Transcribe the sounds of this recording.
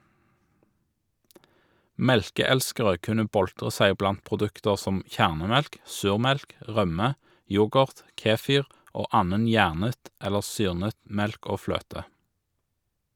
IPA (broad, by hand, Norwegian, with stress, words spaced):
ˈmɛlkəˌɛlskəʁə ˈkʉnə ˈbɔltʁə ˈsæɪ ˈblɑnt pʁʊˈdʉktəʁ ˈsɔm ˈçæʁnəˌmɛlk ˈsʉːʁˌmɛlk ˈʁœmə ˈjʊɡəʁt ˈkeːˌfiːʁ ˈoː ˈɑːnən ˈjæːʁnət ˈɛləʁ ˈsyːʁnət ˈmɛlk ˈoː ˈfløːtə